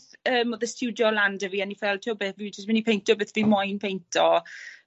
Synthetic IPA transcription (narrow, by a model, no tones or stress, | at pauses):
əːmoðəstʰuwdjɔlandəviːanifɛlˠtʰiɔbeθvid͡ʒəsmɪnipʰejntʰɔbeθvimɔjnpʰejntʰɔ